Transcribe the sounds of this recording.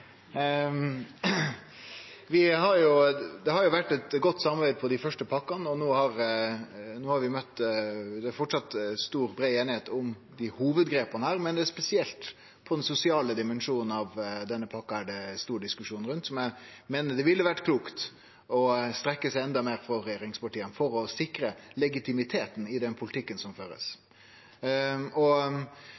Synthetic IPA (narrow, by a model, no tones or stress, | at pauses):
ʋɪhɑɾjʊd̪ɛhɑɾjʊʋæʈːɛt̪ɡɔt̪ːsɑmɑbæɪd̪pʰɔd̪ɪfœʂʈəpʰɑkːɑnɔnoːhɑɾ | noːhɑɾʋɪmœt̪ːd̪ɛːfɔʈsɑt̪st̪uːɾbɾeɪeːnɪheːt̪ɔʊm | d̪ɪhuːʋəd̪ɡɾeːpɑnəhæːɾmɛnd̪ɛæʂpɛsɪɛlt̪ | pʰɔd̪ɛnsʊsɪɑːləd̪ɪmɛnʂuːnn̩ɑʋd̪ɛnːəpʰɑkːɑæɖɛst̪uːɾɖɪskʉʂuːnɾʉnt̪sɔmjæɪmeːnəɖ̪ɛʋɪlːəʋæʈkʰluːkt̪ | ɔst̪ɾɛkːəsæɪɛnd̪ɑmeːɾfɾɑɾɛjeːɾɪŋspɑʈiːənfɔɾɔsɪkɾəlɛɡɪt̪ɪmɪt̪ʰeːt̪n̩ɪd̪ɛnpʰʊlɪt̪ʰɪkːənsɔmføːɾə̰s | ɔ